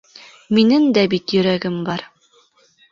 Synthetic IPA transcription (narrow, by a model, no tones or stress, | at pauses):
minɘŋd̪æbit̪jɵ̆ɾæɡɘmbɑɾ